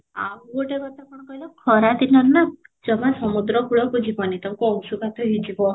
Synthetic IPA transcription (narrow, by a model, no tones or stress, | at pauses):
amɡoʈekɔt̪apɔɳ̃kɔɦilɔkʰɔɾat̪inɔlnad͡ʒɔmasɔmud̪ɾɔkuɭɔkud͡ʒipanit̪ɔmkuɔŋsukat̪ʰɔɦid͡ʒikɔ